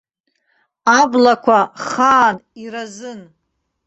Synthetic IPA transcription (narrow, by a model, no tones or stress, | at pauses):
ablakʷʰaχaːniɾazɨn